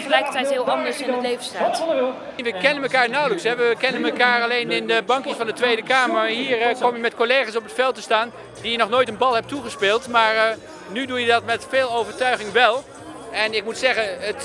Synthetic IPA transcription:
χəlɛjkəɹtɛjtɦɪːlˠɑndəɹsɪnnəlejvəsta | ʋəkɛnənməkaːɹnɔwləksɦɛʋəkɛnənməkaːɹɑlejnɪndəbɑŋkjəsfɑndətʋejdəkaːməɹnɦiːɹkɔmjəmɛtkolejχaːs̬ɔpətfɛlˠtəstaːn | dijənɔχnoːjtənbɑlˠɦɛp̚tuχəspɪːlˠtmaːɹ | nydujədɑtmɛtfeːlˠowvəɹtœɥχɪŋʋɛlˠ | ɛnɪk̚mutsɛχənət

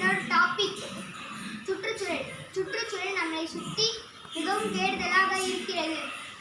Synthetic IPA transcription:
noːɽʈaːpɪkː | t͡ʃʊʈrɯt͡ʃːʊɾɐɭt͡ʃʊʈrɯt͡ʃːʊɾɐɭnɐmːɐɭɐɪsʊt̪ːi | mɪɣɐʋɯmt̪eːɽɯðɐlaːɣɐɪɾɯkːɪɾɐðɯ

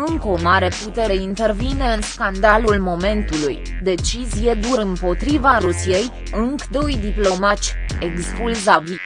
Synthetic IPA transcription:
ɨŋkəo̞maɾe̞put̪e̞ɾeint̪e̞rvine̞ɨnskand̪alulmo̞me̞nt̪uluj | d̪e̞t͡ʃizije̞d̪uɾɨmpo̞t̪ɾivaɾusije̞j | ɨŋkd̪o̞jd̪iplo̞mat͡ʃʲekspulzabi

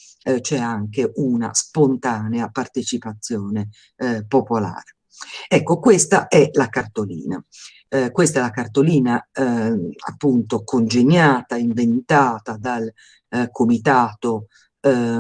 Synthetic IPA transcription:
t͡ʃɛaŋkeʔuna̰spont̪aːneapart̪et͡ʃipat̪sːjɔːne | popola̰ːɾ | ɛkːokwest̪aʔɛlakart̪olḭːna̰ | kwest̪aɛlakart̪oliːna | a̰pːunt̪okond͡ʒeɲːaːt̪aiɱvent̪aːt̪ad̪al | kʰomit̪aːt̪o

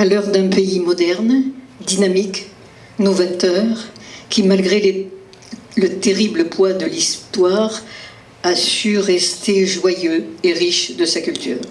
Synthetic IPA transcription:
alœʁd̪ɛ̃peimɔd̪ɛʁn | d̪inamik | nɔvat̪œʁkʲʰimalɡʁele | lət̪eʁibləpʰwad̪əlist̪waʁ | asyʁɛst̪ʰeʒwajøeʁiʃd̪əsakʲylt̪y̰ːʁ

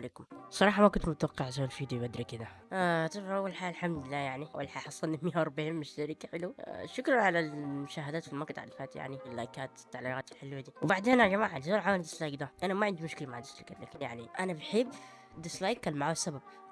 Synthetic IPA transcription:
leːkʊmsˤɑɾˤɑːħɑmakʊnt̪mʊt̪awɑqːɑʕzawːalfiːd̪jobad̪ɾikɪd̪aʔat̪ˤɑbʔawːalħaːllħamd̪ɪlːaːjaʕniʔa̰wːalħaːħɑsˤːɑnimɪjɑɾˤbɪhɪmːɪʃʃaɾikaħɪluʃʊkɾˤɑnʕalalmʊʃaːɦɪd̪aːt̪filmaqt̪ˤaʕlfaːt̪ja̰ʕniɪlːajkaːt̪t̪ːaʕliɣaːt̪ɪlħɪlwad̪iwbaʕd̪eːnʔɑɾˤʒamaːʕalisɑːlħawanid̪ɪslajkd̪aʔanamaʕɪnd̪imʊʃkɪlamaʕd̪ɪslakat̪la̰ːkɪnjaʕniʔanabħɪb | d̪ɪslajkːalmaʕaːsːabab̚

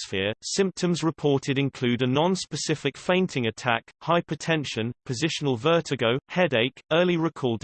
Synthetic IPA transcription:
sfɪəsɪ̃mp̚tʰə̃mzɹɪpʰɔˑtɪɾɪ̃nkʰl̥ʉːdənɒ̃nspəsɪfɪkfẽɪ̃ntʰɪ̃ŋətʰa̰khaɪpɹ̥ɨtʰɛ̃nʃə̃npʰəzɪʃənəlˠvɜˑtʰɪɡəʊhɛdeɪkɜːliɹɪkʰɔːlˠd

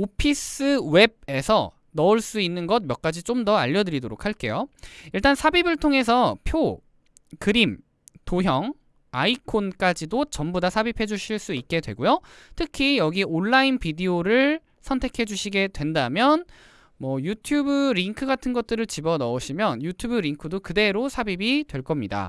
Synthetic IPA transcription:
opʰis͈ɯwe̞b̚e̞sʰʌ | nʌuɭs͈uinːɯnɡʌt̚mjʌk͈ad͡ʑit͡ɕ͈omdʌa̰ʎːʌdɯɾidoɾo̰k̚ʰaɭk͈e̞̰joiɭt͈ansʰabibɯɭtʰoŋe̞sʰʌpʰjo | kɯɾim | toɦjʌŋ | a̰ikʰonk͈ad͡ʑidot͡ɕʌmbodasʰabipʰe̞d͡ʑuɕʰiɭs͈uit̚k͈e̞dwe̞ɡojotʰɯkʰijʌɡiʔoɭːainpidioɾɯɭ | sʰʌntʰe̞kʰe̞d͡ʑuɕʰiɡe̞dwe̞ndamjʌn | mwʌjutʰjubɯɾiŋkʰɯɡatʰɯnɡʌt̚t͈ɯɾɯɭt͡ɕibʌnʌoɕʰimjʌnjutʰjubɯɾiŋkʰɯdokɯde̞ɾosʰabibidwe̞ɭk͈ʌmɲida̰

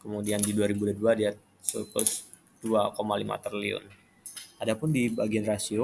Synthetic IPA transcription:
kəmudiandiduaɾibudaduadiat̪̚ | supʊs | d̥uakomalima̰t̪ərliʊ̰n | adapʊndibaɡianrasio

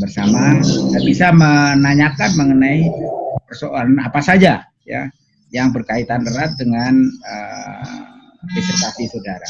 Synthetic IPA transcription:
bərsamadabisamənaɲakanməŋənaipərsoʔalanapasad͡ʒa | ja̰ | jaŋbərkait̪andərat̪̚dəŋanə | desərt̪asisodaɾa

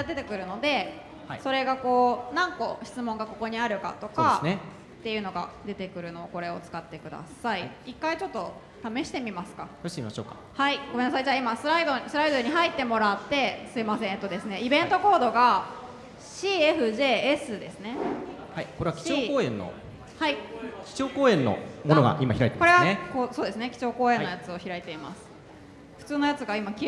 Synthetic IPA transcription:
d̪e̞t̪e̞kɯ̟ɾɯ̟no̞d̪e̞ | haiso̞ɾe̞ɡako̞ːnãŋko̞çi̥t͡sɨmõŋɡako̞ko̞ɲ̟iaɾɯ̟ka̰t̪o̞kːaene | t̪ːe̞jɯ̟no̞ɡa̰d̪e̞t̪e̞kɯ̟ɾɯ̟no̞ːko̞ɾe̞ot͡sɨ̥kat̪ːe̞kɯ̟d̪a̰saiikːait͡ɕo̞t̪ːo̞ | t̪ame̞ɕi̥t̪e̞mʲimasɨ̥kajoɕt̪emʲimaɕo̰ːkḁ | haiɡ̥o̞me̞nasaid͡ʑaːimasɨɾaid̪osɨɾaid̪oɲ̟iɦait̪ːe̞mo̞ɾat̪ːe̞sɨimasẽ̞ɰ̃et̪ːo̞d̪e̞sɨne̞ibẽ̞nt̪o̞ko̞ːd̪o̞ɡa | ɕiːeɸɯ̟ʑe̞ːsɨd̪e̞sɨne̞ | haiko̞ɾe̞akʲi̥oːkoːẽ̞nːo̰ | haikʲi̥t͡ɕo̞ːkoːẽ̞nːo̰monoɡa̰ʔima̰çiɾait̪eko̞ɾe̞ɡakoːsoːd̪e̞sɨne̞kʲi̥t͡ɕo̞ːko̞ːẽ̞ojat͡sɨo̞çiɾait̪e̞ima̰sɨ̥ | ɸɯ̟̥t͡sɨːno̞jat͡sɨɡaimakʲ

